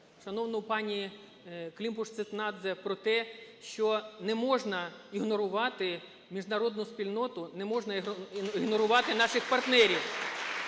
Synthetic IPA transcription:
ʃɐnɔwnɔʊpɑnʲi | klʲimpʊʂt̪sɪt̪nɑd̪zɛpɾɔt̪ɛʃt͡ʃɔnɛmɔʒnɐiɦnɔɾʊʋɑt̪ɪ | mʲiʒnɐɾɔd̪nʊspʲilʲnɔt̪ʊnɛmɔʒnɐiɦnɔɾʊʋɑt̪ɪnɑʃɪxpɐrt̪nɛɾʲiw

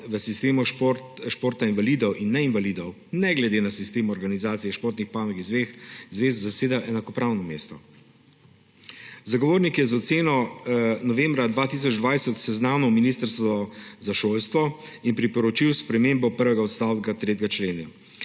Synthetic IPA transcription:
ʋəsist̪eːmɔʃp | ʃpoːɾt̪ainʋaliːd̪ɔwʔinːɛinʋalid̪ɔw | nɛɡlɛd̪eːnasist̪eːmɔɾɡanizaːt̪sijɛʃpoːɾt̪nixpaːmikizʋexzʋeːzzaseːd̪aʔɛnakɔpɾawnɔmeːst̪ɔ | zaɡɔʋoːɾnikjɛzaɔt̪seːnɔnɔʋembɾad̪ʋaːt̪is̬ɔd͡ʒd̪ʋajsɛt̪sɛznaːnɔwminiːst̪əɾst̪ɔzaʃoːlst̪ʋɔ | inpɾipɔɾɔt͡ʃiwspɾɛmembɔpəɾʋɛɡaɔt̪st̪awɡat̪ɾeːt̪ʲɡat͡ʃleːna

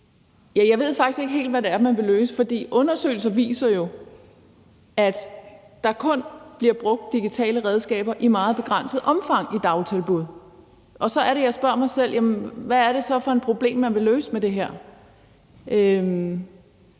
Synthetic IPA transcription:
jæjɑ̈ɪʋe̝ð̞̰ˠfɑ̈ɡ̥isɡ̥e̝ɡ̥əɦe̝̰ːld̥ʋæɾeæɐmænʋe̝løːsə̥fɒ̽d̥ḭːʔɔ̽nɐsø̰ɪl̩s̬ɐʋḭːsɐjo̝ | æd̥ | d̥ɑ̈kʰɔ̽nb̥liɐb̥ʁɔ̽ɡ̥̚d̥ːiɡ̥it͡sʰɛ̰ːləʁɛð̞ˠsɡ̥ɛ̰ːb̥ɐʔimɑ̈ːð̩ˠb̥e̝ɡ̥ʁan̰səð̩ˠʔɒ̽mfɑ̈ŋ̰id̥ɑ̈ʊlt͡sʰelb̥uðˠ | ʔɒ̽sɒ̽æɐɾe̝jɑ̈ɪsb̥ɶɐ̰mɑ̈ɪsel̰jæmənʋæːɐɾ̥e̝sɒ̽fɒ̽e̝npʰʁo̝b̥le̝̰ːmːænʋe̝løːsəmed̥e̝ɦæɐ̰ | ʔøm

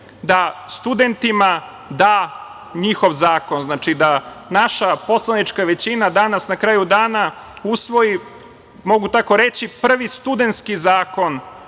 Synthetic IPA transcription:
d̪ast̪ud̪ent̪ima | d̪aː | ɲixo̞ʋzaːko̞nznaːt͡ʃid̪anaʃapo̞slˠanit͡ʂkaʋet͡ɕinad̪anasnakɾaːjud̪aːna | usʋo̞ji | mo̞ɡut̪ako̞ɾe̞t͡ɕipr̩ʋist̪ud̪ent̪skizaːko̞n

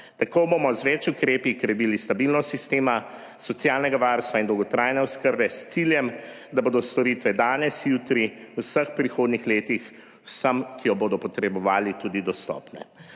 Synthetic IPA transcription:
t̪akobomɔzʋɛt͡ʃukɾeːpikɾɛbilist̪abilnɔst̪sist̪eːma | sɔt̪sjaːlnɛɡaʋaɾst̪ʋaind̪ɔwɡɔt̪ɾajnɛɔskəɾbɛst̪siljɛm | d̪aboːd̪ɔst̪ɔɾit̪ʋɛd̪aːnɛsjuːt̪ɾi | wsəxpɾixoːd̪nixleːt̪ix | wsəmkijɔboːd̪ɔpɔt̪ɾɛbɔʋaːlit̪uːd̪id̪ɔst̪ɔ̰ːpnɛ̰

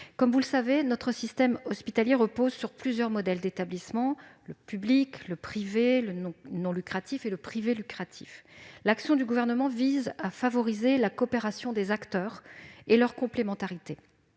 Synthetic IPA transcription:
kɔmvulsavenɔt̪χəsist̪ɛmɔspit̪aljeʁəpozsyʁplyzjœʁmɔd̪ɛld̪et̪ablismɑ̃ləpyblikləpχiveləñnɔ̃lykχat̪ifeləpχivelykχat̪ʰi̥̰flaksjɔ̃d̪yɡuvɛʁnəmɑ̃vizafavɔʁizelakɔpeʁasjɔ̃d̪ezakt̪œːʁelœʁkɔ̃plemɑ̃t̪aʁit̪e

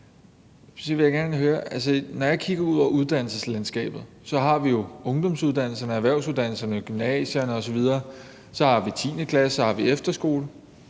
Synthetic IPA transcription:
sɒʋe̝jaɡ̥æɐnəɦøːɐʔæls̬ənɒjɑ̈kʰiɡ̥ɐuð̞̰ˠɒuð̞ˠd̥æn̰l̩səslænsɡ̥ɛ̰ːb̥ð̞̩ˠsɒ̽ɦɑ̈ʋijo̝ɔ̽ŋd̥ɒ̽msuð̞ˠd̥æn̰l̩sɐnəæʋæɐʊsuð̞ˠd̥æn̰l̩sɐnəɡ̥ymnɛ̰ːɕɐnəɒ̽sɒ̽ʋið̞ˠɐː | sɒ̽hɑ̈ʋit͡sʰḭːnəkʰlæshɑ̈ʋiefd̥ɐsɡ̥o̝̰ːlə

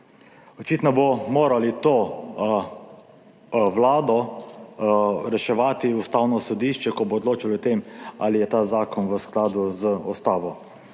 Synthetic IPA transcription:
ɔt͡ʃiːt̪nɔbomoːɾalit̪oː | wlaːd̪ɔ | ɾɛʃɛʋaːt̪iust̪aːwnɔsɔd̪iːʃt͡ʃɛkɔboːd̪loːt͡ʃilɔɔt̪eːma̰lijɛt̪aːzaːkɔnʋəsklaːd̪uzəɔst̪aːʋɔ

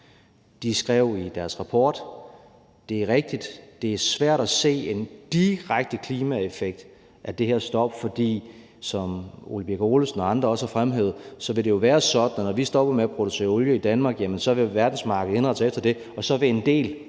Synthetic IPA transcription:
d̥isɡ̥ʁɛʊ̰id̥æɐsʁɑ̈pʰɒːd̥ | d̥e̝æɐʁeɡ̥̚d̥id̥d̥e̝æɐsʋæɐ̰ɾ̥æse̝̰ːe̝nd̥iʁaɡ̥̚d̥əkʰliːmæefeɡ̥̚d̥ | ʔæd̥e̝heɐsd̥ɒ̽b̥fɒ̽d̥ḭː | sɒ̽mo̝lib̥eɡ̥o̝ːlsnɒ̽ɑ̈nd̥ʁɐɒ̽shæfʁamɦeð̩ˠsɒ̽ʋe̝dɾe̝jo̝ʋæːɐsɒ̽d̥n̩nɒʋisd̥ɒ̽b̥ɐmeæpʰʁo̝d̥use̝̰ːɐɔljəid̥ænmɑ̈ːɡ̥jæmənsɒ̽ʋe̝ʋæɐd̥n̩smɑ̈ːɡ̥ð̩ˠhe̝nʁɑ̈d̥sefd̥ɐd̥e̝ | ɒ̽sɒ̽ʋe̝e̝nd̥e̝̰ːl

